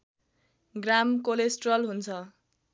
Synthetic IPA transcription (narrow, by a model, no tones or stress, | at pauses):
ɡramkolesʈrʌlɦunt͡sʰʌ